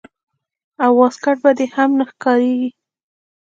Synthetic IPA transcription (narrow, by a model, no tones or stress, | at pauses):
awːɑskaʈ̚bad̪ehamnaxkɑɾeɡi